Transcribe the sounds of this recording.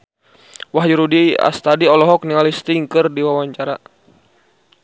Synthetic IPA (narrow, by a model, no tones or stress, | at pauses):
waɦd͡ʒuɾudia̰st̪adiɔlɔɦɔk̚niŋalist̪iŋkɨrdiwawaɲt͡ʃaɾa